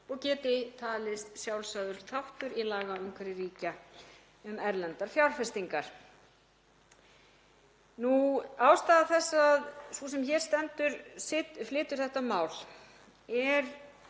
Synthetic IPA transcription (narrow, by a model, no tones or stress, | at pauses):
ɔɣcɛːt̪ɪt̪ʰaːlɪst̪sjawlsaðʏɾ̥t̪ʰawht̪ʏɾilaːɣaʏŋkʰvaɾɪriːca | ʏmɛɾlɛnt̪aɾ̥fjawlfɛst̪iŋkaɾ̥ | nuaːwst̪aːðaθɛsːaðsus̬ɛmçɛɾ̥st̪ɛnt̪ʏɾflɪːt̪ʏɾ̥θɛht̪amaːwl̥ | ɛɾ